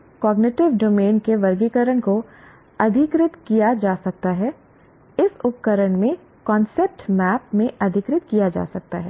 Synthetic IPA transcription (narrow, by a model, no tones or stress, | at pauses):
kɔːɡnɪʈɪʋɖoːmeːnkeʋɐɾɡikəɾəɳko | ɐd̪ʱɪkɾɪt̪kijad͡ʒaːsɐk̚t̪aɦɛː | ɪsʊpkəɾəɽmẽ | kɔ̃ːnsep̚ʈmɛːpmẽʔɐd̪ʱɪkɾɪt̪kijad͡ʒa̰ːsɐk̚t̪a̰ɦɛː